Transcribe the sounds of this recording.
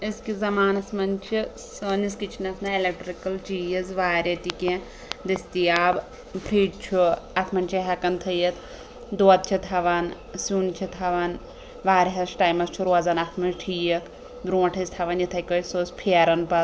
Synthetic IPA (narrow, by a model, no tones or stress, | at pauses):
iskizɐmaːnɐsmɐnt͡ʃʰisɐniskit͡ʃʰinɐsʰnɐelek̚ʈɾikɐlt͡ʃijɐzʋaːɾʲɐt̪ikẽ | d̪ist̪iaːb | pʰɾiːɖt͡ʃʰuɐt̪ʰmɐnt͡ʃʰɐɦɐkɐnt̪ʰɐjɐt̪ | d̪oɐt̪̚t͡ʃʰit̪ʰɐʋaːn | suːnt͡ʃʰit̪ʰɐʋan | ʋaːɾʲɦɐsʈaːjmɐst͡ʃʰuɾoazanɐt̪ʰmɐnʈʰijɐt̪ʰ | b̪ɾõːʈʰɐsʲt̪ʰɐʋɐnjit̪ʰɐjkosoːspʰiɐɾɐnpɐt̪